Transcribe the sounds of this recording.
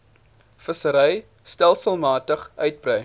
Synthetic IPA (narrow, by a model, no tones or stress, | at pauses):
fəsəɾɛj | stælˠsəlˠmɑːtəχœɥt̚brɛj